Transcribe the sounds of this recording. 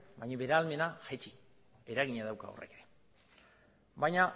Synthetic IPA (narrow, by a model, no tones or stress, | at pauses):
bajɲaβe̞ɾalme̞naxat͡ʃi | e̞ɾaɣiɲaðawka̰o̰re̞̰keɾe | bajɲa